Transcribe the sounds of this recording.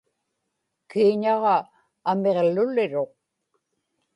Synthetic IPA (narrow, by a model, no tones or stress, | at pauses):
kiːɲɑʁɑː | me̞ʁlʊlɪɻo̞q